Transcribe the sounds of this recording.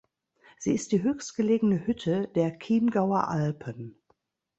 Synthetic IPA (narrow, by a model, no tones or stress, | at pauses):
z̥iːɪst̚d̥iːɦøːçstɡ̥əleːɡŋ̩nəhʏtʰədeːɐkʰiːnɡaʊɐʔalpʰən